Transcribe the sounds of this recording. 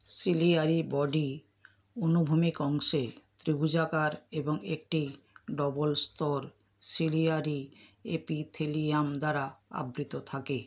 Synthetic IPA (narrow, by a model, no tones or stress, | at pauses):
siliaɾibɔɖi | onubʱumikɔŋʃet̪ɾiɡud͡ʑakaɾeboŋek̚ʈi | ɖɔbolst̪ɔɾ | siliaɾiepit̪ʰeliamd̪aɾaa̰bɾit̪ot̪ʰake